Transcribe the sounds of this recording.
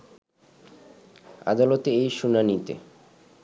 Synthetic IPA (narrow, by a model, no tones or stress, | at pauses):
a̰d̪alot̪eejʃunanit̪ḛ